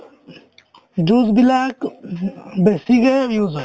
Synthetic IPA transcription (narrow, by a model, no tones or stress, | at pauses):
d͡ʒuzbilak | besiɡejuza